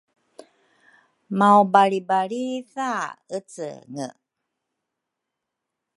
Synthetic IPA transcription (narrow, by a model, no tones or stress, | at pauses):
maobaɭibaɭiθaət͡sə̰ŋə̰